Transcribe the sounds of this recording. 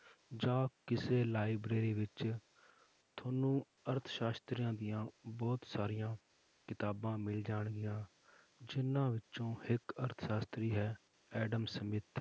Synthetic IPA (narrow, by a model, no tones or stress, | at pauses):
d͡ʒãːkɪseːlaːɪbɾeːɾiːʋɪt͡ʃ | t̪ʰoːnũː | əɾt̪ʰʃaːst̪ɾijãːd̪ɪjãːbɔːt̪saːɾijãː | kɪt̪aːbãːmɪld͡ʒaːɳɡɪjãː | d͡ʒɪnːãːʋɪt͡ʃõːhɪkəɾt̪ʰʃaːst̪ɾiːɦɛː | ɛːɖəmsəmɪt̪